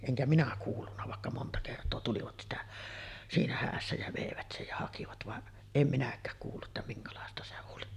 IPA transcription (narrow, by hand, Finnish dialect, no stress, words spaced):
eŋkæ minæ kuːlːunːɑ ʋɑˑekːɑ montɑ kertˑoː tuliʋɑt sitæ siːnæ hæːsːæ jæ ʋeˑiʋæt sej jɑ hɑkiʋɑt ʋɑʔ em minækˑæːk kuːlːuʔ ʔetːæ miŋkɑlɑˑestɑ se oli